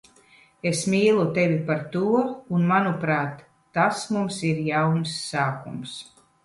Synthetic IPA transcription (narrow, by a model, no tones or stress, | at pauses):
esmiːlˠut̪evʲipaɾt̪uɔunmanupɾaːt̪ː | asmumsiɾjawnsːaːkums